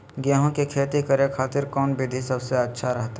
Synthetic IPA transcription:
ɡjaːɦõkekʰeːt̪ikɐɾekʰaːt̪ɪɾkɔːnbɪd̪ʱisɐbseɐtːʃʰaɾɐɦt̪a

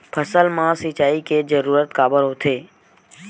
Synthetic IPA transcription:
pʰəsəlmãsit͡ʃaːiked͡ʒəɾuːɾət̪kaːbəɾɦot̪ʰeː

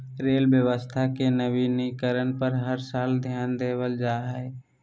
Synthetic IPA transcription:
ɾeːlbjəʋəst̪ʰakenəbinikəɾənpəɾɦəɾsaːld̪ʱjaːnd̪eːwəld͡ʒaːɦɛ

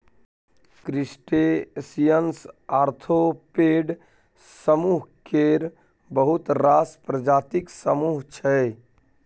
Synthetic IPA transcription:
kɾisʈesijənsaɾt̪ʰopeɖ | səmuɦkeɾ | bəɦut̪ɾaspɾəd͡ʒaːt̪iksəmuɦt͡ʃʰɛ

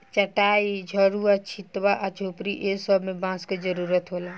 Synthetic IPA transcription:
t͡ʃəʈaːid͡ʒʱɔɾuat͡ʃʰit̪ʋaʔat͡ʃʰoːpɾiʔesəbmẽbãːsked͡ʒəɾuːɾət̪ɦola

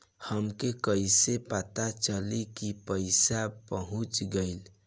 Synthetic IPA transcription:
həmkekəjsepət̪at͡ʃəlikipəɪsapəɦũt͡ʃɡəɪl

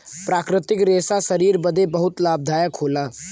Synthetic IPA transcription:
pɾaːkɾɪt̪ɪkɾeːsasɐɾiːɾbəd̪ʱebɐɦʊt̪laːb̚d̪ʱaːjəkʰoːlaː

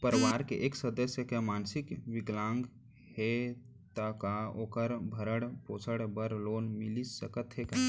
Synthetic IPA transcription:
pəɾəʋaːɾkeʔeːksəd̪əsjəkemaːnsɪkʋɪɡlãːŋɡ | he | t̪akaoːkəɾbʱəɾəɽpoːsʰəɽbəɾloːnmɪlisəkət̪ɦeka

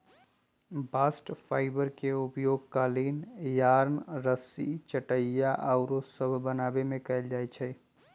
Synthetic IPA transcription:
baːsʈpʰaːɪbəɾkeʊpjoːɡ̚kaːliːnjaːɾnɾəsḭt͡ʃəʈəjjaʔaʊɾosəbʱbənaːbemẽkɐɪld͡ʒaːet͡ʃʰɛ

